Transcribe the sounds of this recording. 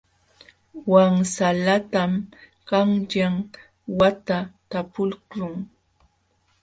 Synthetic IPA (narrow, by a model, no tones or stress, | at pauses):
waŋsalat̪am | kaŋʎam | wat̪at̪apʊlkɾʊŋ